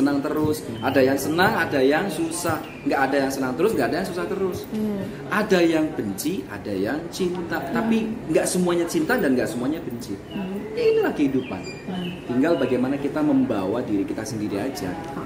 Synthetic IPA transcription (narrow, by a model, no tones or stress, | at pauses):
ənaŋt̪əɾʊsʔadajaŋsənaŋadajaŋsusah | ŋɡaʔːdajaŋsənaŋt̪əɾʊsŋɡaʔadajaŋsusaht̪əɾʊs | ʔadajaŋb̥əɲt͡ʃiʔa̰dajaŋt͡ʃint̪at̪apiŋɡaʔsəmuaɲat͡ʃint̪adanŋɡaʔsəmuaɲab̥əɲt͡ʃi | ɲainilahkəɦidupa̰n | t̪iŋɡalbaɡajmanakit̪aməmbawadiɾikit̪asəndiɾiad͡ʒa̰